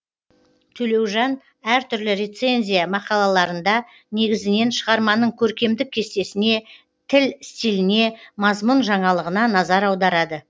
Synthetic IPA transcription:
t̪ʰɵle̞wʒɑn | æɾt̪ʰʏɾlɪɾʲe̞t̪se̞nʲzʲijamɑqɑlˠɑlˠɑɾənd̪ɑ | ne̞ɡʲɪzɪne̞nʃəʁɑɾmɑnəɴkʲʰɵɾkʲe̞md̪ɪk̚ʲʰːe̞st̪e̞sɪne̞ | t̪ʰɪlst̪ijlɪne̞mɑzmʊnʒɑɴɑlˠəʁənɑnɑzɑɾɑwd̪ɑɾɑd̪ə

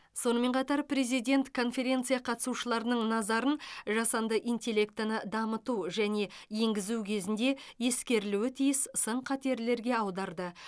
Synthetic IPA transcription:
so̞nəme̞ɴqʰɑt̪ɑɾpɾe̞zijd̪ʲe̞nt̪kʰo̞nfe̞ɾʲe̞nt̪sɨijɑqʰɑt̪əsuʃəlˠɑɾənəɴnɑzɑɾənʒɑsɑnd̪əʔijnt̪ʲe̞lʲːe̞k̚t̪nəd̪ɑmət̪uʒæne̞je̞ŋɡʲɪzuwkʲʰe̞zɪnd̪e̞je̞skʲe̞ɾɪluɪt̪ʰijɪssəɴqʰɑt̪e̞ɾle̞ɾɡʲe̞ɑwd̪ɑɾd̪ə

